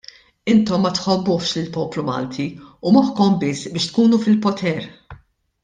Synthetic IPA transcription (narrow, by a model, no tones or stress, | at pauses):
ɪnt̪ɔmːɐt̪ħɔbːʊħʃlɪlpɔːplumɐ̰ːlt̪ʰiumɐħkɔmbɪsːbɪːʃt̪kuːnufɪlpɔt̪ʰɛɾ